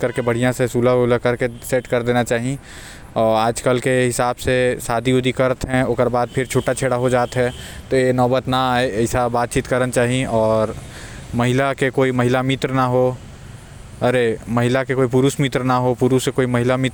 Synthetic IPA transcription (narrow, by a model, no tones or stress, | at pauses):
kɐɾkebɐɽ̤ijãsesuːlaoləkɐɾkeseːʈkɐɾd̪eːnat͡ʃaːɦi | ɔːɾaːd͡ʒkəlkeɦɪsaːbsesaːd̪ʱioːd̪ʱikɐɾət̪ɦɛ̃okəɾbaːd̪̚pʰɪɾt͡ʃʰuːʈat͡ʃʰeːɽaɦod͡ʒaːt̪ɦɛt̪ojenɔːbət̪naaːeɐɪsabaːt̪̚t͡ʃiːt̪kɐɾənt͡ʃaːɦiɔːɾ | mɐɦɪlakekoːimɐɦɪlamɪt̪ɾnaɦo | ɐɾemɐɦɪlakekoːip̬uɾuːsmɪt̪ɾnaɦopuɾusekoːimɐɦɪlamɪt̪